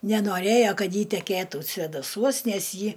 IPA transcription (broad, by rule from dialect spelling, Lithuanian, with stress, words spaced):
nʲɛnoːˈrʲeːjoː ˈkɐt ˈjɪ tʲɛkʲeːˈtuː sʲʋʲeːdɐˈsuɔs ˈnʲɛs ˈjɪ